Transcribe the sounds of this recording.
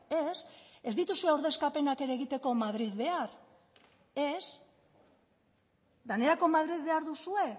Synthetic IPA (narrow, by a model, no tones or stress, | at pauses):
ese̞zd̪it̪usue̞awɾðe̞skape̞nake̞ɾeɣ̞it̪e̞ko̞maðɾiðβe̞aɾ | es | d̪ane̞ɾako̞maðɾiðβe̞aɾðusue̞